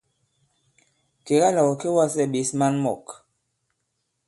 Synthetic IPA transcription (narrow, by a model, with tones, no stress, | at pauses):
ke˨ɣa˦la˨wo˨ke˦wa˦˨sɛ˦˨ɓe˨˦sma˦nmɔ˨k